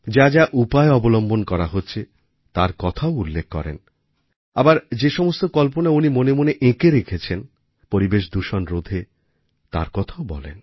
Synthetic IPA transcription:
d͡ʑad͡ʑaʔupaeɔbolombonkɔɾaɦotːɕʰe | t̪aɾkɔt̪ʰaoulːekʰːɔ̰ɾḛn | abaɾd͡ʑeʃɔmost̪okɔlponaunimonemoneʔẽkeɾekʰet͡ɕʰen | poɾibeʃd̪uʃonɾod̪ʱe | t̪a̰ɾkɔt̪ʰaobɔ̰lḛn

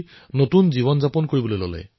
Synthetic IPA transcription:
notunziβɔnzapɔnkoɹibɔlojlɔ̰lɛ̰j

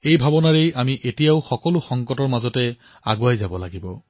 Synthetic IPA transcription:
ejbʱabɔnaɹejamiʔetijaʊxɔkɔlʊxɔŋkɔtɔɹmazɔtɛ | a̰ɡuajzabɔlaɡibɔ

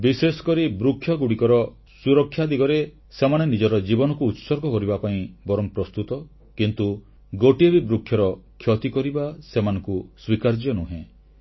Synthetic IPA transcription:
bisesɔ̥kɔɾibɾukʰːjɔɡuɽikɔɾɔ | suɾɔkʰːjad̪iɡɔɾe | semaɽenid͡ʒɔɾɔd͡ʒibɔnɔkuːt̪sɔɾɡɔkɔɾibapaĩbɔɾɔmpɾɔst̪ut̪ɔ | kint̪u | ɡoʈiebibɾukʰjɔɾɔkʰjɔt̪ikɔɾibasemanɔ̃ŋkuswikaɾd͡ʒjɔnuɦẽ

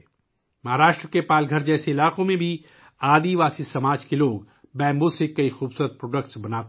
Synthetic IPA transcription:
mɐɦaːɾaːʃʈɾəkepaːlɡʱəɾd͡ʒɛːseɪlaːqõmẽbʱi | aːd̪iʋaːsisɐmaːd͡ʒkeloːɡ | bɛ̃ːmbosekɐixuːbsuɾət̪̚pɾoːɖək̚ʈsbɐnaːt̪

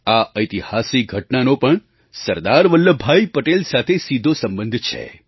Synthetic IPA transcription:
aʔəjt̪ihasik̚ɡʱəʈnanopəɳ | səɾd̪aɾʋəlːəbʱajpəʈelsat̪ʰesid̪ʱosəmbə̃nd̪ʱt͡ʃʰḛ

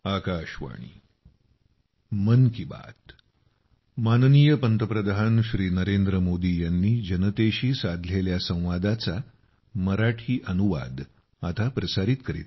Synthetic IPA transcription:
akaɕʋa̰ɽ̃ḭ | mənkiba̰t̪ | manniːjəpənt̪əpɾəd̪aɦənɕɾiːnəɾend̪ɾəmod̪iːjanːiːd͡ʑənət̪eɕiːsad̪ʱleljasə̃w̃ʋad̪at͡sa | məɾaʈʰiːʔənuʋa̰d̪ | at̪apɾəsaɾit̪kəɾḭt̪

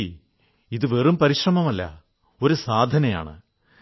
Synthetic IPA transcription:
iðɨʋerumpɐɾiɕrɐmɐmɐlːɐ̰ | o̞ɾusaːd̪ʱɐnɐja̰ːɳɨ̰

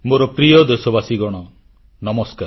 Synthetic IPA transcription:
moɾɔpɾijɔd̪esɔbasiɡɔɽ̃ɔ | nɔmɔskaɾ

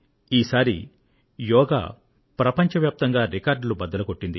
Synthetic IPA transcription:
iːsaːɾḭ | jɔːɡa̰ː | pɾɐpɐɲt͡ʃɐʋjaːp̚t̪ɐŋɡaːɾikaːɾɖlubɐd̪ɐlɐko̞ʈːind̪i

